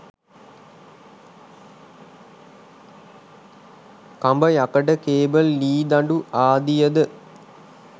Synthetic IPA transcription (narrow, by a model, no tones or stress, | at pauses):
kambəjɐkəʈəkeːbəlːiːd̪aɳɖuaːd̪ijəd̪ə